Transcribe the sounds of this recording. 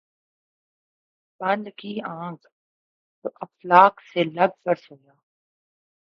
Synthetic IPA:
bɐ̃nd̪kiãːk | ɐflaːkselɐb̚pəɾsoɡaː

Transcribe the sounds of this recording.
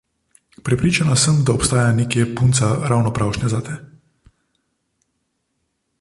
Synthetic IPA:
pɾɛpɾiːt͡ʃanasəmd̪aɔpst̪aːjaneːkjɛpunt̪saɾawnɔpɾawʃnɛzat̪ɛ

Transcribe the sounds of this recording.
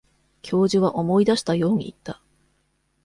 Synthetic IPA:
kʲʰo̞ːʑiβaʔo̞mo̞id̪aɕi̥t̪ajo̞ːɲ̟ḭːt̪ːa

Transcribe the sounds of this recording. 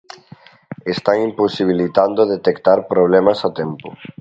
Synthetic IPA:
est̪aŋimposiβ̞ilit̪and̪oðet̪ekt̪aɾpɾoβ̞lɛmasat̪ɛmpʊ̰

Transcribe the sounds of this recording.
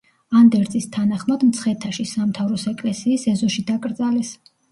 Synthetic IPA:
and̪ɛɾt̪sʼist̪ʰanaχmad̪mt̪sʰχɛt̪ʰaʃisamt̪ʰavɾɔsɛkʼlɛsiːsɛzɔʃid̪akʼɾd̪zalɛs

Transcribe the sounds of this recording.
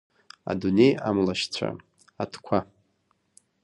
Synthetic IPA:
a̰dune̞jamlaʃt͡sʷʰa̰ | atʰkʷʰa

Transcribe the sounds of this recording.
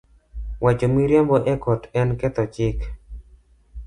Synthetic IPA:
wʔat͡ʃomiɾjambɔʔɛkɔtɛnkɛt̪ɔt͡ʃɪk

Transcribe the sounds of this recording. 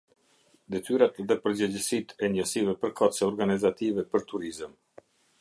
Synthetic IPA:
d̪ɛt̪yɾat̪ðɛpəɾd͡ʑəd͡ʑəsit̪ʰɛɲəsivɛpəɾkat̪sɛɔɾɡanizat̪ivɛpəɾt̪uɾizəm

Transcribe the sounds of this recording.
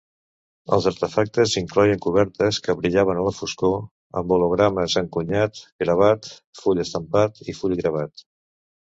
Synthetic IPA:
ə̰lˠzəɾt̪əfak̚t̪əziŋklɔjəŋkuβ̞ɛɾt̪əskəβɾiʎaβənələfusko | ə̰mbuluɣ̞ɾaməzəŋkuɲat̪ɡɾəβ̞at̪fuʎəst̪əmpat̪ifuʎɣɾəβ̞at̪

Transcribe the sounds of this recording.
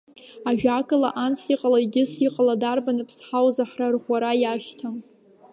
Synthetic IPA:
aʒᶣakʼɨla̰ʔant͡sʰiqʼalaiɡʲɪsiqʼaladarbanɨpʰsħawzaħrarʁʷaɾajaʃtʰɨm

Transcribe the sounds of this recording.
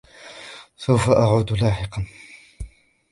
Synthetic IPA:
sawfaʔaʕuːd̪laːħɪqɑn

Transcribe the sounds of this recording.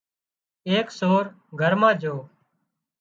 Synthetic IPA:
eːksoːɾ | ɡʱəɾmãːd͡ʒʱoː

